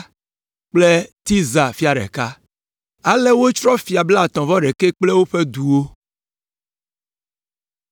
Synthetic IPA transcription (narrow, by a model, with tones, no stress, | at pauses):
k͡ple˦t̪i˦za˨fi˦a˨ɖɛ̰˨ka˦ | a˦le˦wo˦t͡ʃɾɔ˦fi˨a˨bla˦˨t̪ɔ̃˨vɔ˦ɖɛ˨ke˦k͡ple˦wo˦ɸe˦d̪u˨wo˦